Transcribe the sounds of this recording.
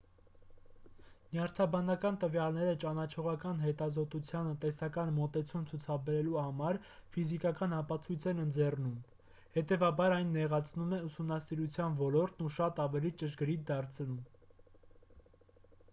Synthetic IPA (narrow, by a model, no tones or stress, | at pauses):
njɑɾt̪ʰɑbɑnɑkɑnt̪əvjɑlnɛɾət͡ʃɑnɑt͡ʃʰɔʁɑkɑnɦɛt̪ɑzɔt̪ut͡sʰjɑnət̪ɛsɑkɑnmɔt̪ɛt͡sʰumt͡sʰut͡sʰɑbɛɾɛluhɑmɑɾ | fizikɑkɑnɑpɑt͡sʰujt͡sʰɛnənd͡zɛrnum | hɛt̪ɛvɑbɑɾɑjnːɛʁɑt͡sʰnumɛusumnɑsiɾut͡sʰjɑnvɔlɔɾt̪nuʃɑt̪ɑvɛlit͡ʃəʃɡəɾit̪̚d̪ɑɾt͡sʰnum